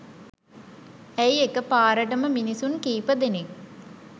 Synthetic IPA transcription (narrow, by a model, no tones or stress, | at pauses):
æiekəpaːɾəʈəməminisunkiːpəd̪enek